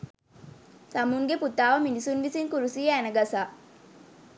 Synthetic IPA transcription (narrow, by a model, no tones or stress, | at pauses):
samuŋɡeput̪aːʋɐminisunʋisiŋkuɾusiːeænɐɡɐsaː